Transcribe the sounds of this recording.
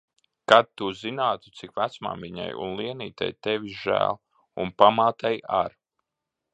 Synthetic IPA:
kad̪̚t̪ːuzinaːt̪u̥t̪sikʋæt̪sma̰ːmviɲa̰jṵnlˠiɛniːt̪a̰jt̪ɛvʲiʒæ̰ːlˠ | unpamaːt̪ɛja̰ɾ

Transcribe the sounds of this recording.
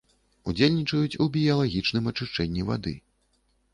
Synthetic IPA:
ud͡zʲelʲnʲit͡ʂɐjut͡sʲubʲijɐlˠaɣʲit͡ʂnɨmɐt͡ʂɨʂt͡ʂɛnʲːiva̰d̪ɨ̰

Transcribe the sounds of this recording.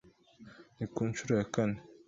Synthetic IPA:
nikunt͡ʃuɾaakani

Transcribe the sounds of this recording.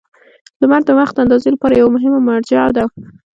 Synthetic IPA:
lamaɾd̪əwaxt̪̚d̪əand̪ɑzelapɑɾajawamʊɦɪmamaɽd͡ʒɑd̪a

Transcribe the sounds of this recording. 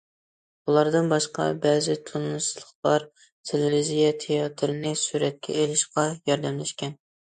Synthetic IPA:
ulˠɑɾd̪ɨnbɑʃqɑ̰bɛzɪt̪ʰunɨsɨzlˠəχlˠɑɾ | t̪ʰelɪɾizijɛt̪ʰejɑt̪ʰɾɪnɨsuɾɛt̪̚kʲʰɛ̰elɪʃqɑjɑɾd̪ɛmlɛʃkʲɛn

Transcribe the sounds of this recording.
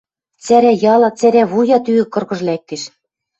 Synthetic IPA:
t͡sæɾæjɑlˠɑt͡sæɾæβujɑt̪yɘ̆kɤ̆rɣɤ̆ʒ̆lækːɘ̆ʃ

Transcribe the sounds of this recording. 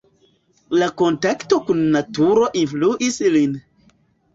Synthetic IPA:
lako̞ntakto̞kunːatuɾo̞ʔinfluʔislin

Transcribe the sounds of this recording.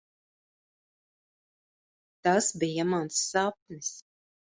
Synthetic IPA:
t̪asbijamansːap̚nis

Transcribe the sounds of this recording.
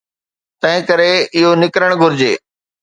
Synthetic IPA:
t̪ɐ̃ɦɪ̃kɐɾeɪɦonɪkɾəɽ̃ɡʱʊɾɪd͡ʑeː

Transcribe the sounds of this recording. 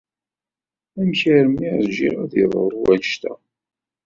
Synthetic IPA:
æmçəɾmiæzd͡ʒiɾæðəðˤə̰ɾˤuwænʃt̪æ̰

